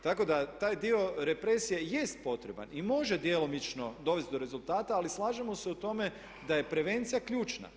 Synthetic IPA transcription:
t̪ako̞d̪at̪aːjd̪io̞ɾe̞pɾe̞sije̞je̞st̪̚po̞t̪ɾe̞ba̰nimo̞ʒe̞d̪jelo̞mit͡ʃno̞d̪o̞ʋest̪̚d̪o̞ɾe̞zulˠt̪aːt̪aːlislˠaːʒemo̞se̞ut̪o̞me̞ | d̪aje̞pɾe̞ʋe̞nt̪sijakʎʲuːt͡ʃna̰

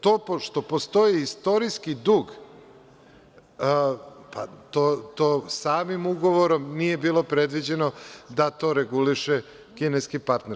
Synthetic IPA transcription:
t̪opoʃt̪o̞post̪o̞iːst̪o̞ɾiskid̪uːɡ | pa̰t̪ot̪oːsaːmimuɡo̞ʋoɾo̞mnije̞biːlo̞pɾed̪ʋid͡ʑe̞no̞d̪at̪o̞ɾeɡuliʃe | kineskipaɾt̪neɾ

